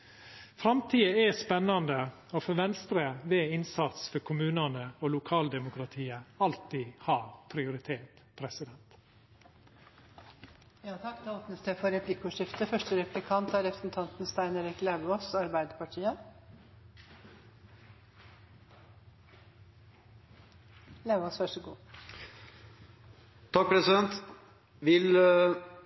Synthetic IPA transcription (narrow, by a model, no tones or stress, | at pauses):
fɾɑmt̪ʰiːəɛspɛnːɑnd̪ə | oːfɔʋɛnst̪ɾəʋeːɪnsɑt̪sfɔɾkʰʊmʉːnənəoːlʊkʰɑːld̪ɛmʊkɾɑt̪ʰiːəɑlt̪ihɑːɾpʰɾɪʊɾɪt̪ʰeːt | pʰɾɛsɪd̪ɛnt̪ | jɑːt̪ʰɑkːd̪ɛoːpnəst̪ɛfɔɾɛpʰlɪkʊʂɪft̪əfœʂʈəɾɛpʉb̪ɪkʰɑnt̪æɾɛpɾəsn̩t̪ʰɑnt̪nst̪æɪneɾɪklæbɔsɑɾbæɪd̪əpɑʈʰiːə | læːbɔsfœʂəɡṵː | t̪ʰɑk̚pʰɾɛsɪd̪ɛnt̪ | ʋɪl